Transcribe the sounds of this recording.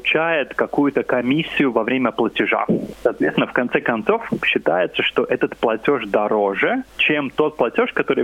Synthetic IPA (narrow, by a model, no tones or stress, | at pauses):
ʊt͡ɕajɪt̪kɐkujʊt̪əkɐmʲisʲːɪjʊvɐvɾʲemʲəplˠətʲɪʐa̰sɐːt̪vʲet̪sʲɪnəfkɐnt̪sɛkɐnt̪so̞fɕːɪt̪ajɪt̪səʂt̪o̞ʔɛt̪ət̪plˠɐtʲo̞ʂd̪ɐɾo̞ʐɨt͡ɕemt̪o̞t̪̚plˠɐtʲo̞ʂkɐt̪o̞ɾɨj